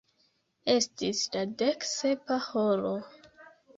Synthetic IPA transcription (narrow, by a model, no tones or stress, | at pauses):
e̞stislade̞kse̞paholo